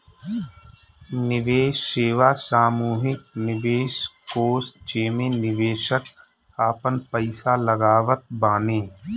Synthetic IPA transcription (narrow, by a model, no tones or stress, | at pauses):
nɪʋeːʃːeːʋaːsaːmuːɦɪk̚nɪʋeːʃkoːst͡ʃeːmẽnɪʋeːʃək | aːpənpəɪsaləɡaːʋət̪̚baːnẽː